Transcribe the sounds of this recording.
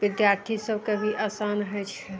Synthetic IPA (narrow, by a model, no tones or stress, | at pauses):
bɪd̪jaɾt̪ʰisəbkebʱiʔasanɦəjt͡ʃʰɛ